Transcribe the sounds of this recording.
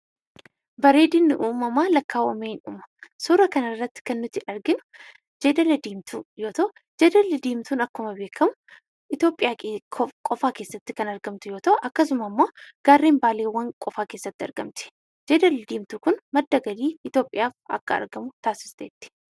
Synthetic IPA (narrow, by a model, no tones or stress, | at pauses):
bɐɾeːd̪ɪnːɪʔuːmɐmaːlɐkːaːwɐmeːnʊ̰mɐ̥sʊːɾɐkɐnɐrːɐt̪ːɪ̥kɐnːʊt̪ɪʔɐɾɡɪmɐ̥ | d͡ʒeːd̪ɐlɐd̪iːmt̪ʰujoːt̪ɐ | d͡ʒeːd̪ɐlɪd̪iːmt̪uːnɐkːʊmɐbe̞ːkʰːɐmʊ | ʔɪt̪jo̞ːpʼɪjaːkʼɔfaːke̞ːsːɐt̪ːɪkɐnɐɾɡɐmt̪ʊjoːt̪ɐʔɐkːɐsʊmɐmːo̞ːɡ̥aːrːeːmbaːleːwɐŋkʼɔfaːke̞ːsːɐt̪ːɪɐɾɡɐmt̪ɪ̥ | d͡ʒeːd̪ɐld̪iːmt̪ʊkʊnmɐd̪ːɐɡɐd̪iːɪt̪jo̞ːpʼːɪjaːfɐ̰kːɐɐ̰ɾɡɐmʊt̪aːsɪ̥st̪eːt̪ːɪ̥